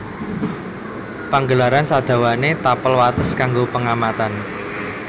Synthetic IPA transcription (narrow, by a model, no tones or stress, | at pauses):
paŋɡəlaɾansad̪̥ä̤wanet̪apəlwat̪əskaŋɡopəŋamat̪an